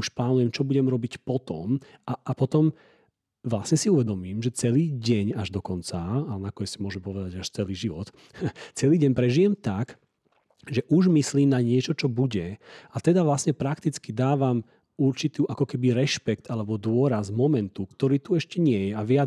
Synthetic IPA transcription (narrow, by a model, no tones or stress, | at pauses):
uʃplaːnujɛmt͡ʃɔbuɟɛmɾɔbicpɔt̪ɔ̰maʔːpɔt̪ɔm | ʋlasɲɛsiuʋɛd̪ɔmiːmʒɛt͡sɛliːɟɛɲaʒd̪ɔkɔnt͡saːlɛnakɔɲɛsimʊɔʒɛmpɔʋɛd̪aɟaʃt͡sɛliːʒiʋɔt̪ | t͡sɛliːɟɛɲpɾɛʒijɛmt̪ak | ʒɛʔuʒmisliːmnaɲɪɛt͡ʃɔt͡ʃɔbuɟɛat̪ɛd̪aʋlasɲɛpɾakt̪it͡skid̪aːʋam | uɾt͡ʃit̪uːʔakɔkɛbiɾɛʃpɛkt̪alɛbɔd̪ʊɔɾazmɔmɛnt̪ukt̪ɔɾiːt̪uɛʃcɛɲɪɛjɛaʋɪa